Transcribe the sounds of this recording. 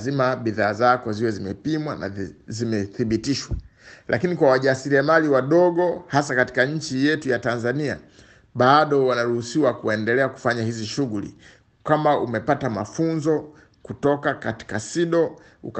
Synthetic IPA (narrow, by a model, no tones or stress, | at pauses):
zimaɓiðaːzakwaziwɛzimɛpimwana̰zimɛθiɓitiʃwa | lʔakinikwawaʄasiɾiamaliwaɗɔɠɔhasakati̥kaɲ̩t͡ʃijɛtujatanzania̰ | ɓaɗɔwanaɾuhusiwakuɛndɛlɛaku̥faɲahiziʃuɣulḭ | kamaʔumɛpatamafunzɔ | kutɔkakati̥kasiɗɔ | ṵk